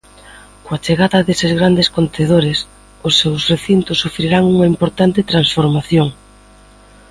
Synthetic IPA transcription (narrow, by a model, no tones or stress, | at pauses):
koat͡ʃeɣaðɐðesezɣɾand̪eskont̪eð̞oɾɪs | ʊsːewsreθint̪ʊsːufɾiɾaŋuŋɐimpoɾt̪ant̪ɪt̪ɾansfoɾmaθjoŋ